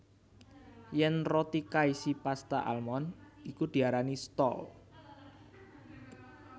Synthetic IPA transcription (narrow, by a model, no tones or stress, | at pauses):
jɛnrot̪ikaisipast̪a̰ʔa̰lmɔnikud̪̥i̤aɾanist̪ɔ̰l